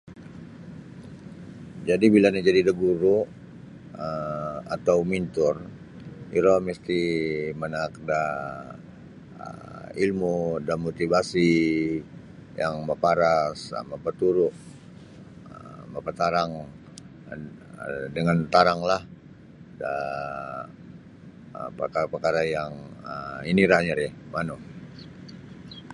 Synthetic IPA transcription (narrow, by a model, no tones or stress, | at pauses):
d͡ʒadibilanad͡ʒadidəɡuɾu | əa̰t̪awmint̪ʊr | iɾɔməst̪imənakda | ə̰ilmudanmot̪ibasi | jaŋbapaɾasa̰mapat̪uɾʊʔ | əbapat̪aɾaŋ | dəŋant̪aɾaŋlah | da | pəkapərkaɾajaŋəiniɾaɲəɾɛmano